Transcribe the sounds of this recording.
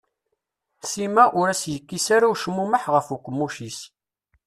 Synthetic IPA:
simæʔʊɾæsjəkːisaɾawʃəmːuməħʁəfukʷːəmːuʃis

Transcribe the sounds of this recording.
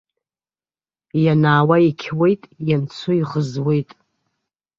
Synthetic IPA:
janaːwaikʲʰwe̞jtʼjant͡sʰʊiʁəzwe̞jtʼ

